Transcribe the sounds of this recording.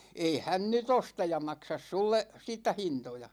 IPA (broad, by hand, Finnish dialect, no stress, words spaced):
ei hæn nyt ostɑ jɑ mɑksɑs sulːe siːtːæ hintojɑ